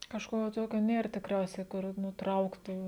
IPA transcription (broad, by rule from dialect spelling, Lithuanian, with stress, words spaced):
kɐʃˈkoː ˈtoːkʲoː ˈnʲeːr tʲɪkˈrʲɛʊsʲɛɪ kʊr ˈnʊ ˈtrɐʊktuː